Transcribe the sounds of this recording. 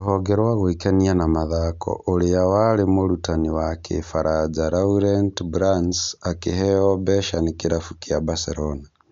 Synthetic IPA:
hɔɡɛɾwaɣwikanianamaðakʰɔ̰ʔoɾejawalemoɾutaniwakʰḛfaɾʔad͡zaɾauɾɛntbɾansakehɛɔbɛʃanekeɾafukiabasɛɾɔna

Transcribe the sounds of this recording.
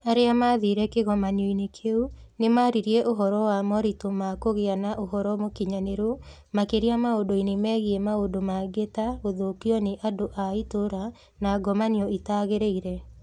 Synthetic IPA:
aɾeamaðiɾɛkeɣɔmaniɔinekʰeunemaɾiɾiɛʔoɦɔɾɔwamɔɾitomakoɣeanaʔoɦɔɾɔmokiɲaneɾo | makeɾiamaodoinemɛːɣiɛmaodomaɡetaoðokiɔneʔadoʔaitoɾa | naɡɔmaniɔitaɣeɾeiɾɛ

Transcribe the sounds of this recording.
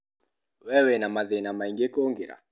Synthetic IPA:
wɛwɛnamaðenamaiŋɡekoŋɡeɾa̰

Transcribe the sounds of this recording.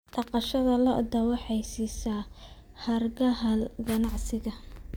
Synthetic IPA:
ɖɑqɑʃɐðɐlɐʔd̪ɐwɑħɛjsiːsaː | hɐrɡɐɦɐlɡɐnɑʕsɪɣɐ

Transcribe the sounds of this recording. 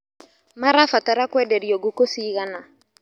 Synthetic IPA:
maɾafataɾakwɛdɛɾiɔɡokosiːɣana

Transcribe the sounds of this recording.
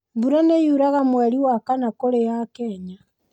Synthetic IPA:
mbuɾanejuɾaɣamwɛɾiwakanakoɾejakɛɲa

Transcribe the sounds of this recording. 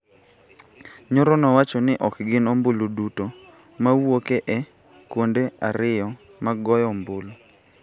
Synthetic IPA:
ɲoɾɔnɔwat͡ʃɔnɪʔɔkɡɪnomboluduto | mawokeʔɛ | kwondeaɾɪjɔ | maɡɔjɔmbolu

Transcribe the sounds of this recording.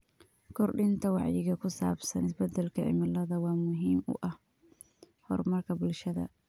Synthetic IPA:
kʰɔrɖɪnt̪ʰɐwɑʕjɪɣɐkʰʊsa̰ːbsɐnɪsbɐd̪ːɛlkʰɐʕɪ̰mɪlɐðɐwɑːmʊɦiːmʊ̰ʔɐh | hɔ̰rmɐrkʰɐbʊlʃɐðɐ̰

